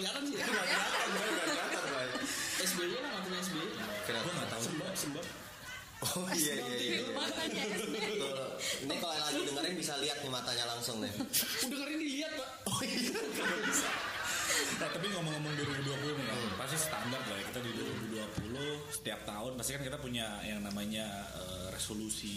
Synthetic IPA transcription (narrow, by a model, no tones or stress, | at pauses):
d͡ʒaɾansiɡaɡat̪anbaɪk̚baɡat̪anbaɪkɛsbeialamat̪aɲaɛs̬beiakənaɡuaŋɡat̪ausəbasəmbap | ɔhjajamat̪aat̪nakalalad͡ʒidəŋərɾɪŋbisaliat̪̚nɪmat̪aɲalaŋsʊŋnɪ̰udəŋəɾandiliat̪̚pa | ɔkamabisa | at̪ap̬iŋaməŋəmʊŋdiɾibuduapulʊhnəkapasus̬isə̥t̪abɡaklajakit̪adiduɾubuduapulʊhsə̥t̪iap̚t̪aʊnpast̪ikankit̪apuɲajaŋnamaɲa | ə | resolusi